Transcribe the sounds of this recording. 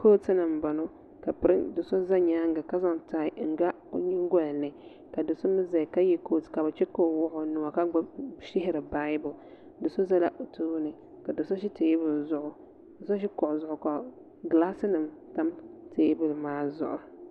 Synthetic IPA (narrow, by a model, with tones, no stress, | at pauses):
ko˦tɨ˦nɨ˨mba˨no˦ | ka˨pɨ˨ɾɨ˦dɨ˨so˦za˦ɲaː˦ŋɡa˨ka˦za˦˨ŋ˨taː˦˨ɪ˦ŋ̩˦ɡa̰˦ɲi˦ŋ˦ɡɔ˦lnɨ˨ | ka˨dʊ˨so˦mɨ˦za˨ka˦jɛ˦ko˦tka˨bɨ˨t͡ʃɛ˦ko˦˨wʊ˦ʔʊ˨nu˨wa˨ka˦ʃɪ˦ɦɪ˦ɾɨ˨ba˦jbʊ˨ | dɨ˨so˦za˦la˦ʔo˨tuː˦nɨ˨ | ka˨dʊ˨so˦ʃ̬i˦teː˦bʊ˨lzʊ˦ʔʊ˨ | dɨ˨so˦ʃ̬i˦kɔ˨ʔʊ˨zʊ˨ʔʊ˨ka˨ | ɡla˦sɨ˦nɨ˨mta˦mtʰeː˦bʊ˨lmaː˦zʊ̰˨ʔʊ˨